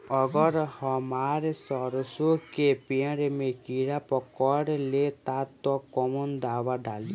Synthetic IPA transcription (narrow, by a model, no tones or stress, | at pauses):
ɔɡɔɾɔhɔmaɾesɔɾɔsokepiãɾemekiɽapɔkɔɽlet̪at̪ɔkɔmɔnd̪awaɖali